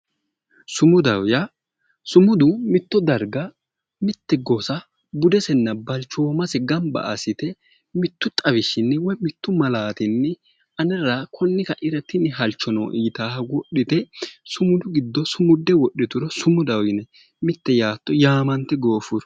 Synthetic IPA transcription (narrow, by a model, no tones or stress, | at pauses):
sʊmʊd̪ɐwjɐ | sʊmʊd̪ʊmɪt̪ːɔd̪ɐɾɡɐ | mɪt̪ːɛɡɔsɐ | bʊd̪ɛsɛnːɐbɐlt͡ʃoːmɐsɛɡɐmbɐ̰ʔɐ̰sɪt̪ɛ | mɪt̪ːʊt̪ʼɐbɪʃɪnːɛwɔjmɪt̪ːʊmɐlaːt̪ɪnːɪ | ɐnɛɾakʰɔnːɪkɐʔɪɾɐt̪ːɪnːɪɦɐlt͡ʃːɔno̰ʔiːt̪aːhɐɡɔɗɪt̪ɛsʊmʊd̪ʊɡɪd̪ːɔsʊmʊd̪ːɛwɔɗːɪt̪ʊɾɔsʊmʊd̪ɐwjɪnɛ | mɪt̪ːɛjaːt̪ːɔjaːmɐnt̪ːɛɡo̞ːfʊɾ